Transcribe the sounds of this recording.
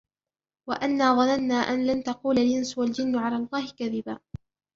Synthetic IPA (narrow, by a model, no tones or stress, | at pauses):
waʔanːaːðˤɑnanːaːʔanlant̪ɑquːlalʔɪnswald͡ʒɪnːʊʕalaːlˤːɑːhɪkaðɪbaː